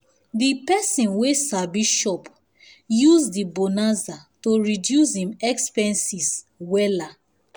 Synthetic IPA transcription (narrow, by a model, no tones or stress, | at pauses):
dipɛsĩnwesabiʃɔp | juzdibonazatoɹidjus̬hĩmɛkspɛ̃nsis | wɛla